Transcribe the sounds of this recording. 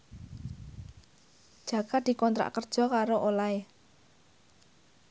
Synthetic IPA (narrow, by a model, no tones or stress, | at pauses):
d̥ʒ̥ä̤ɡ̥ad̪̥i̤kɔnt̪ɾa̰ʔkərd̥ʒ̥ɔ̤kaɾoʔolae